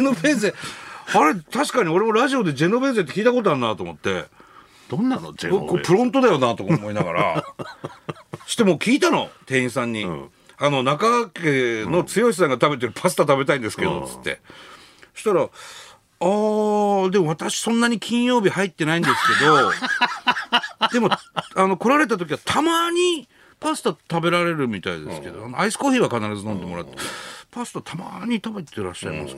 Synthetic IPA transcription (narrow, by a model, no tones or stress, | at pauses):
enobẽːs̬eaɾe̞t̪aɕi̥kaɲ̟io̞ɾe̞mo̞ɾaʑio̞d̪e̞d͡ʑe̞nːo̞bẽ̞ːs̬e̞t̪ːekʲiːt̪ako̞t̪̬oaɾɯnat̪o̞ːmo̞̰t̪ːe̞̰ | d̪̥õnːano̰ɡokopɯ̟ɾõ̞nt̪o̞d̪ajo̞nat̪o̞kːmo̞inaɡa̰ɾa̰ | so̥t̪ːemoːkʲiːt̪ano̞̰t̪ẽ̞ĩsãɲ̟ːi | ano̞nakaakeno̞t͡sɨjo̞ɕʲi̥s̬ãŋɡat̪abe̞t̪eɾɯ̟pʰasɨ̥t̪at̪abe̞t̪̬aĩnd̪e̞sɨ̥ke̞d̪o̞̰t͡sɨ̥t̪ːe̞̰ | ɕi̥t̪aɾa | aːd̪e̞mo̞β̞at̪aɕi̥sõ̞nːaɲ̟ikʲĩɰ̃jo̞ːbʲihait̪ːe̞naĩnd̪e̞sɨ̥ke̞d̪o̞ | d̪e̞mo̞ano̞ko̞ɾaɾe̞t̪at̪̬o̞k̬ʲiβat̪ʰamaɲ̟i | pasɨ̥t̪at̪abe̞ɾaɾe̞ɾɯ̟mʲit̪aḭd̪e̞sske̞d̪oanoaisɨ̥koçʲiːβakanaɾazɨnõ̞nd̪e̞mo̞ɾa̰t̪ːepasɨ̥t̪at̪ʰama̰ɲ̟it̪abe̞t̪e̞ɾa̰ɕːa̰ima̰sk